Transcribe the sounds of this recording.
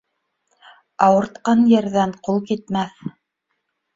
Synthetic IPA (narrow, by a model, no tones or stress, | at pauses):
ɑwɤ̆ɾt̪qɑnjɘ̆ɾðæɴqulˠkit̪̚mæθ